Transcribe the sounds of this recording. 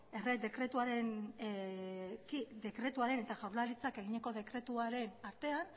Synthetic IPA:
ered̪e̞kɾe̞t̪uaɾe̞n | kid̪e̞kɾe̞t̪uaɾe̞ne̞t̪aʝawɾlalit͡sake̞ɣ̞iɲe̞ko̞ðe̞kɾe̞t̪uaɾe̞naɾt̪e̞an

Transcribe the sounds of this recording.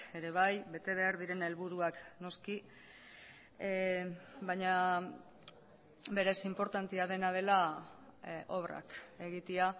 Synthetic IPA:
e̞ɾe̞βajβe̞t̪e̞β̞e̞aɾðiɾe̞ne̞lβuɾuakno̞ski | bajɲa | be̞ɾe̞simpo̞ɾt̪ant̪iað̞e̞nað̞e̞la | ʔo̞βra̰ke̞ɣit̪ia

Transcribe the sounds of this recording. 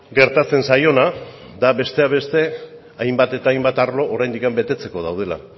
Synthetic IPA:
ɡe̞ɾt̪at͡se̞nsajo̞na | d̪aβe̞st̪e̞aβ̞e̞st̪e̞ | ajmbat̪e̞t̪aːjmbat̪aɾlo̞ʔoɾajnd̪ikambe̞t̪e̞t͡se̞ko̞ð̞awð̞e̞la̰

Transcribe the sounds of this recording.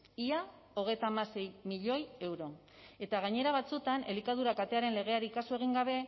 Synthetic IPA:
ia | o̞ɣ̞e̞jt̪amase̞jmiʎo̞je̞wɾo̞ | e̞t̪aɣ̞aɲe̞ɾaβ̞at͡sut̪ane̞likað̞uɾakat̪e̞aɾe̞nle̞ɣ̞e̞aɾiːkasue̞ɣ̞iŋɡaβ̞e̞

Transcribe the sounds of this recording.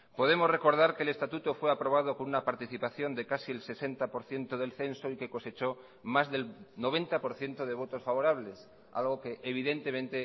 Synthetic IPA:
po̞ð̞e̞mo̞zre̞ko̞ɾðaɾke̞ːle̞st̪at̪ut̪ofweapɾo̞β̞að̞oko̞nunapaɾt̪iθipaθjo̞nd̪e̞kasielse̞se̞nt̪apoɾθje̞nt̪oð̞e̞lθẽ̞nsoike̞ko̞se̞t͡ʃo̞ | mazðe̞lno̞β̞e̞nt̪apo̞ɾθje̞nt̪oð̞e̞β̞o̞t̪o̞sfaβo̞ɾaβ̞le̞s | a̰lɣo̞ke̞ʔeβ̞iðe̞nt̪e̞mẽnt̪e̞

